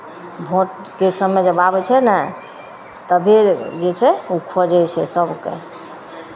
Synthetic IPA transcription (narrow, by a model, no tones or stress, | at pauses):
bʱoʈkesəmːed͡ʒəbabɛt͡ʃʰɛnɛ | t̪əbʱed͡ʒet͡ʃʰɛukʰɔd͡ʒɛjt͡ʃʰɛsəbkḛ